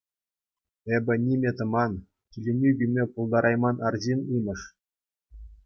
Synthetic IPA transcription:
ebʲɘ̆nʲimʲet̪ɤ̆mɑn | kʲilʲenʲybʲimʲepulˠd̪ɑɾʔɑjmɑnʔɑrʑinɯnɤ̆ʂ

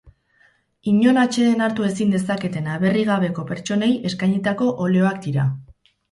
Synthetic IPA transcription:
iɲo̞nat͡ʃe̞ðenaɾt̪ue̞sind̪e̞sake̞t̪e̞naβe̞riɣaβe̞ko̞pe̞ɾt͡ʃo̞ne̞je̞skajɲet̪ako̞ʔole̞o̞ak̚d̪iɾa

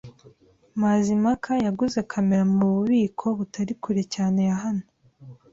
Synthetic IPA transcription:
maːzimakʰajaɡuze̞kʰameɾamuuβuβiːkʰo̞βutaɾikʰuɾecaːne̞jaɦano

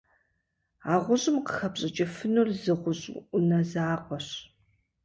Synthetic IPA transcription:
aːʁʷʊɕʼɪmqə̥xɐpɕʼɐt͡ʃʼɐfɨnurzɨʁʷʊɕʼʔʊnɐzaːqʷɔɕ

